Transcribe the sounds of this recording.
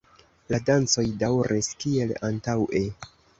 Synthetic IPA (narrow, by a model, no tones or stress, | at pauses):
ladant͡so̞jdawɾʔiskie̞lantawʔe̞